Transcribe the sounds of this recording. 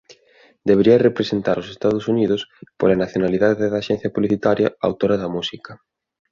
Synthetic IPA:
d̪eβeɾiɐrepɾesent̪aɾosest̪að̞ʊsuniðʊspolanaθjonaliðaðeðaʃɛn̟θjɐpuβliθit̪aɾjɐ̰a̰wt̪oɾɐðɐmusikɐ

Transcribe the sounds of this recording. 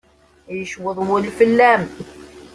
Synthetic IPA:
jəʃwəðˤwəlfəlːæm

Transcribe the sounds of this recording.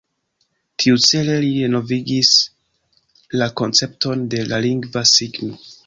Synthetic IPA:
tʰiut͡se̞le̞liɾeno̞viɡis | lako̞nt͡se̞pto̞nde̞laliŋɡvasiɡno̞

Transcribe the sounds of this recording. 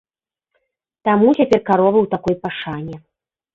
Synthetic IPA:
t̪amut͡sʲapʲɛrkaɾɔvɨwt̪akɔjpaʂanʲɛ

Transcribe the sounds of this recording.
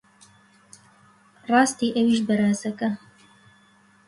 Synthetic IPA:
rɑːst̪iːʔɐwiːʃbɐɾaːzɐkɐ

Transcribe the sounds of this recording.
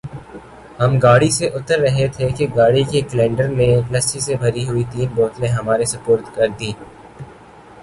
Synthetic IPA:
hɐmɡaːɽiseʔʊt̪əɾːɐɦet̪ʰekeɡaːɽikekəlɛ̃ːɳɖəɾnelɐst͡ʃisebʱɐɾiɦʊit̪iːnboːt̪neɦɐmaːɾesɐpoːɾt̪kɐɾd̪iː

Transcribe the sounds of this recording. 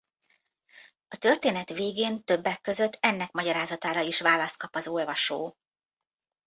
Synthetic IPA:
ɒt̪ø̞rt̪eːnɛt̪ʋeːɡeːnt̪ø̞bːɛkːø̞zø̞t̪ʰːɛnːɛkmɒɟɒɾaːzɒt̪aːɾɒiʃʋaːlɒst̪̚kɒpɒzolvɒʃoː

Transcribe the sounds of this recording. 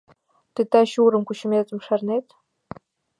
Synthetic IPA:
d̥ɨtʰaʃuuɾɨmkʷʰʼʊʃɪmezʼɨmʂarnejtʰʼ

